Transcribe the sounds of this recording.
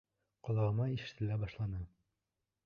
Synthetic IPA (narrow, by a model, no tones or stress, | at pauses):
qɒlˠɑʁɤ̆mɑiʃɘ̥̆t̪ɘ̆læbɒʃlˠɑnɤ